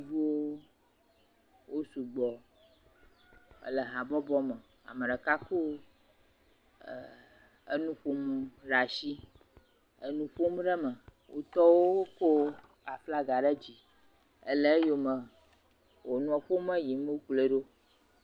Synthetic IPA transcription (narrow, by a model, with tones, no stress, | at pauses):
vu˦wo˦ | wo˦su˨ɡ͡bɔ˨ | ə̰˦lə˨ɦã˨bɔ˦bɔ˦mə˨ | a̰˨mə˨ɖə˨ka˦ko˦˨ | ə̰˦nũ˦ɸo˦m˨ɖa˨ʃi˦ | ə˦nũ˦ɸo˦m˦ɖə˦mə˨ | wʔo̰˦t̪ɔ˦wo˦ko˦ | a˨fla˦ɡa˨ɖə˦d͡ʑi˨ | ə̰˦lə˦jo˦mə˨ | wo˨nũ˦a˨ɸo˦mə˦ji˨m˦o˦k͡ple˨ɖo˦